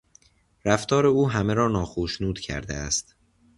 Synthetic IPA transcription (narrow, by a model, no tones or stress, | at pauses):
ɾæft̪ʰɒːɾe̞uːɦæmeɾɒːnɒːxoʃnuːd̪̥cʰæ̰ɾd̪eæst̪